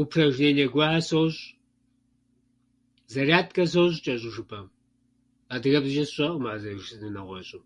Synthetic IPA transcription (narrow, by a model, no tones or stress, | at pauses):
upʰrɐʒeːnɐɡʷaʕasowɕʼ | zɐrjaːtʰkʼɐs̬owɕ̬ʼt͡ʃʼɐʑʼɪʒɨpʰʼɐm | aːdɨɣɐbzɨʒɐsɕʼɐʔʼəmaːzɐʒɨnɨnɐʁʷɔɕʼɪm